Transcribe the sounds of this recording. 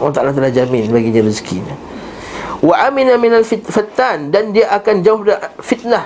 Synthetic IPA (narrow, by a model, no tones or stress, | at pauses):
wat̪alat̪əlahd͡ʒamɪnbaɡiɲãɾiskḭɲa̰ | waʔaminaminalfifat̪ːandandiaʔakand͡ʒauhdafit̪̚nah